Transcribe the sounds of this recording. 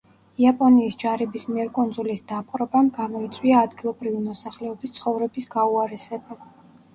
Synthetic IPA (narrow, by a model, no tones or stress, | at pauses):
iapʼɔniːsd͡ʒaɾɛbismiɛɾkʼund̪zulisd̪apʼqʼɾɔbamɡamɔit̪sʼwiaːd̪ɡilˠɔbɾivimɔsaχlɛɔbist̪sχɔvɾɛbisɡauaɾɛsɛba